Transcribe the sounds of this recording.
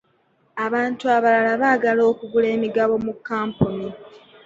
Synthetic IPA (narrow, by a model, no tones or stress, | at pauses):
aβaːntuaβalalaβaːɡalo̞ːkuɡule̞ːmiɡaβo̞mukːaːmpuni